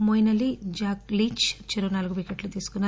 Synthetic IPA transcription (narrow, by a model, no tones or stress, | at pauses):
mojnɐlid͡ʒaːkliːt͡ʃt͡ʃiɾunaːluɡubiːkeʈlut̪iːsu̥kunːa